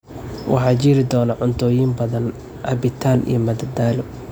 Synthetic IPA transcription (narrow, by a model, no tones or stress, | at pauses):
wʔɑ̰ħɑːt͡ʃiːɾɪd̪ɔːnɐʕʊnt̪ʰɔːjiːmbɐðɐn | ʔɐbɪt̪ʰaːlʔḭjɔmɐd̪ɐd̪aːlɔ